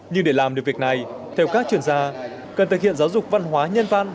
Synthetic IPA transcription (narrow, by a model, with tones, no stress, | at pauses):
ɲɨ˧ŋɗe˧˩laː˨˩mɗɨ˨˩k̚vi˨˩ək̚na˨˩j | t̪ʰɛ˧wkaː˦˥k̚t͡ɕwi˧˩ənzaː˧ | kə˨˩nt̪ɨ˨k̚hḭ˧˨ənzaː˨˦wzʊ˨˩k͡p̚va̰˧˥nɦwaː˨˦ɲə˧nva̰ː˧˨n